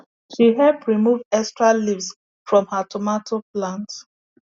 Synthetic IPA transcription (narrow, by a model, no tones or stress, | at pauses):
ʃiɦɛpɹimuvɛstɹalivs | fɹɔ̃mhatʰɔmatʰoplãnt